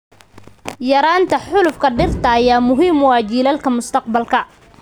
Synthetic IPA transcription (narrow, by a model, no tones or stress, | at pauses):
jɐɾaːnt̪ʰɐħʊlʊfkʰɐɖɪrt̪ʰɐːjaːmʊɦiːmwɑːt͡ʃiːlɐlkʰɐmʊst̪ʰɐq̚bɐlkʰɐ